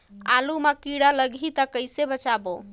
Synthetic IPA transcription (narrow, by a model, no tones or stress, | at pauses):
alumakiɽaləɡʱit̪əkəjsebət͡ʃabo